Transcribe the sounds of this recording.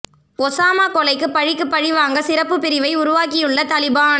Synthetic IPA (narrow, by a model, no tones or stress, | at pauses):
ɔsaːmaːkɔlɐɪkːɯpːɐɻɪkːɯpːɐɻɪʋaːŋɡɐsɪɾɐpːɯpːɪɾɪʋɐɪʊɾʊʋaːk̬ɪjɯɭːɐt̪ɐlɪbaːn